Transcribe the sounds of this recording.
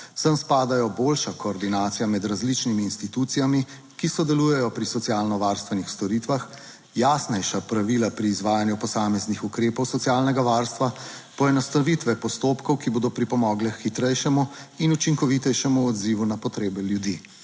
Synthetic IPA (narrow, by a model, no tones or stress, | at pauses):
səmspaːd̪ajɔboːlʃakɔːɾd̪inaːt̪sijamɛd̪ɾazlit͡ʃnimiːnst̪it̪uːt̪sijami | kisɔd̪ɛluːjɛjɔpɾisɔt̪sijaːlnɔʋaːɾst̪ʋɛnixst̪ɔɾit̪ʋax | jasnɛjʃapɾaʋilapɾiːzʋaːjanjupɔsaːmɛznixukɾeːpɔwsɔt̪siaːlnɛɡaʋaːɾst̪ʋapɔɛnɔst̪aʋit̪ʋɛpɔst̪oːpkɔwkiboːd̪ɔpɾipɔmɔːɡlɛxit̪ɾɛjʃɛmuinut͡ʃiŋkɔʋit̪ɛjʃɛmuɔd̪ziːʋunapɔt̪ɾeːbɛljud̪i